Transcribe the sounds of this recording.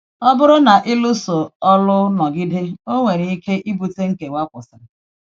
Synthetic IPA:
ɔ˦bʊ˦ɾʊ˦na˨ʔɪ˦lu˦so˨ɔ˦lʊ˦nɔ˨ɡɪ˦dɪ˦o˦ŋʷe˨ɾi˨i˦ke˦ʔi˦bu˨te˦ŋ̩˦ke˨wa˦kʷʊ˨sɪ˨ɾ

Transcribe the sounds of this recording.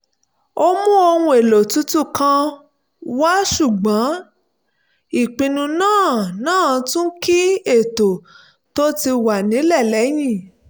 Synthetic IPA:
o˧mũ˦o˧hũ˧e˨lo˨tu˨˦tu˦˨kã˧ | wa˦ʃu˦˨ɡ͡bã˨˦ | i˨k͡pĩ˧nũ˧nãː˦˨nãː˦˨tũ˦ki˦e˦˨to˨ | to˦ti˧wa˨nĩ˨˦lɛ˦˨lɛ˨˦j̃ĩ˦˨

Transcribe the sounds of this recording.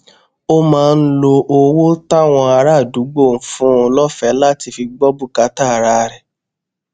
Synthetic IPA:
o˦mãː˨˦˧n̩˦lo˧ʔo˧wo˦ta˦w̃ɔ̃˧a˧ɾa˦˨du˨˦ɡ͡bo˦˨n̩˨˦fũ˦o˧lɔ˦fɛ˦la˦˨ti˧fi˧ɡ͡bɔ˦bu˦˨ka˨˦ta˦˨ɾa˦˧ɾɛ˨

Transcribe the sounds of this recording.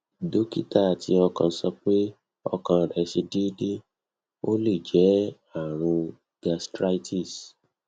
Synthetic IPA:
do˨˦ki˦ta˦˨tʰi˧˦ɔ˧kã˧˦sɔ˧k͡pe˦ | ɔ̰˧kã˧˨ɾɛ˨˦ʃe˧di˦de˦ | o˦le˦˨d͡ʒɛ˨˦ | a˦˨ɾ̃ũ˧ | ɡa˧stɾa˧i˦ti˦˨s

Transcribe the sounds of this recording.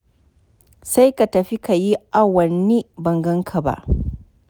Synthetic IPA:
sa˦jka˨tɐ˨ɸi˦ka˨ji˦ʔa˦˨wɐ˨nːi˦bɐ˨ŋɡɐ˦ŋkʰa˨ba̰˦ʔ

